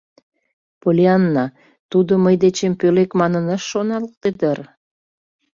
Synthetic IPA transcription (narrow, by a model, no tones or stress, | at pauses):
polʲeɑnːɑ | t̪ud̪ŏməjd̪et͡ɕempølekmɑnənɑʃːonɑlk̚t̪ed̪ər